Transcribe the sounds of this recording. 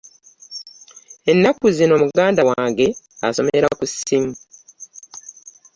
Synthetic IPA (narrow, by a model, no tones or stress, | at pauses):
e̞nːakːuzino̞ːmuɡaːndawaːŋɡe̞ | a̰so̞̰meɾakusim